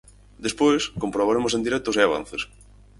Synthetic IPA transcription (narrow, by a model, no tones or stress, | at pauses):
d̪espojskompɾoβ̞aɾemos̬ẽnd̪iɾɛt̪oseaβ̞ã̰n̟θes